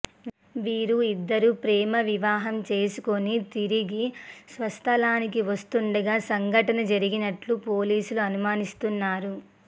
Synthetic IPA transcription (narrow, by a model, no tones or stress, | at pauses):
ʋiːɾuid̪ːɐɾuːpɾɛːmɐʋiʋaːɦɐmt͡ʃe̞ːsukonit̪iɾiɡisʋɐst̪ʰɐlaːnikiʋɐst̪uɳɖɐɡaːsɐŋɡʱɐʈɐnɐd͡ʒɐɾiɡinɐʈlupoːliːsuluɐnumaːnist̪unːaːɾu